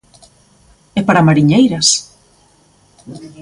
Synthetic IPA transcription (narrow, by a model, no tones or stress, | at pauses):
ɛpaɾamaɾiɲejɾɐs